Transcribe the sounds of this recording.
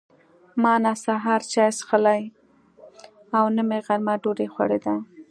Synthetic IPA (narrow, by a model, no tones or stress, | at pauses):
mɑnasaɦɑɾt͡ʃɑjsxəlaj | awnəmeɣaɾmaɖoɾexwa̰ɽed̪a